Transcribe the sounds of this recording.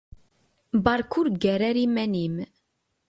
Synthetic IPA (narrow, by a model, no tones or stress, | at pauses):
bɑɾˤkʊɾɡæɾaɾimænim